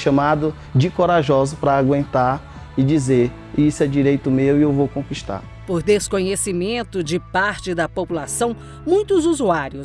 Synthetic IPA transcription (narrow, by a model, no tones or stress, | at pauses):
ʃɐ̃mad̪ʊ | d͡ʒɪkoɾaʒɔzʊpɾɐːɡwẽnt̪aɾ | ɪd͡ʒizeɾ | isʊɛd͡ʒiɾejt̪ʊmewiewvowkõkiʃt̪a̰ɾ | poɾd̪eskoɲesimẽnt̪ʊd͡ʒɪpaɾt͡ʃɪd̪ɐpopulasɐ̃w̃ | mũj̃t̪ʊzuzuaɾjʊs